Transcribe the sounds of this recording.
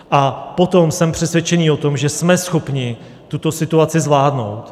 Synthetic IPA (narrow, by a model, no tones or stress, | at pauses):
ʔapo̞t̪o̞msɛmpr̥ɛsvʲjɛt͡ʃɛniːo̞t̪o̞mʒɛsmɛsxo̞pɲɪ | t̪ut̪o̞sɪt̪uat͡sɪzvlaːdno̞̰wt̪